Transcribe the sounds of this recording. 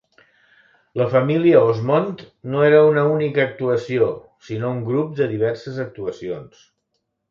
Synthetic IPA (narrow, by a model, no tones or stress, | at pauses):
ləfəmiliəozmont̪ | noeɾəunəunikəːk̚t̪uəsio | sinouŋɡɾup̚d̪əðiβ̞ɛɾsəzək̚t̪uəsions